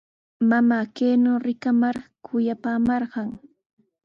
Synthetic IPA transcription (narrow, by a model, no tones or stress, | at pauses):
mamaːkeːnoːɾɪkamaɾkʰʊjapaːmɑɾɢɑŋ